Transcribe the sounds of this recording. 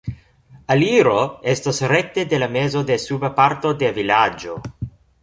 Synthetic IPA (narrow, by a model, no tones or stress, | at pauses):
aliɾo̞e̞stosɾe̞k̚te̞de̞lame̞zo̞de̞subapaɾto̞de̞vilad͡ʒo̞̰